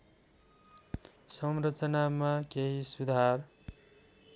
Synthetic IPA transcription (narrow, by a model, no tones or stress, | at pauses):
sʌmrʌt͡sʌnamakeɦisud̪ʱar